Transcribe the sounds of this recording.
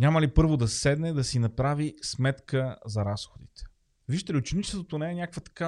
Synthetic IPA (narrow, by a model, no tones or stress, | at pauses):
nʲaməlipɤɾvod̪ɐsɛd̪nɛd̪ɐsinɐpɾavismɛt̪kəzɐɾasxod̪ḭt̪ɛ̥ | viʒt̪ɛliʊt͡ʃɛnit͡ʃɛ̥sot̪onɛɛnʲakəkvət̪ɐ̥ka